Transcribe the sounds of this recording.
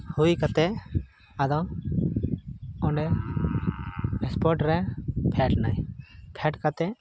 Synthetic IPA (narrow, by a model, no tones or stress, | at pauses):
hujkat̪ɛ | ad̪ɔ | ɔɖɛ | ɛspɔɾʈɾɛpʰɛʈnajpʰɛʈkat̪ɛ